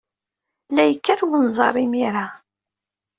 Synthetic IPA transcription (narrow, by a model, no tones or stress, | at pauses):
læjəkːæɾwənzˤɑ̰ɾˤimiɾa